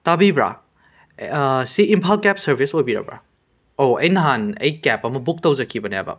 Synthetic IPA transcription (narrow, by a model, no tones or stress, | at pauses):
tabibɾa̰ | siimpʰalkɛp̚sɐɾbʱisojbiɾɐ̰bɾa̰ | oɐjnɐɦanɐ̰jkɛpːɐmɐbuk̚tɐwzɐkʰːibɐnia̰bɐ̰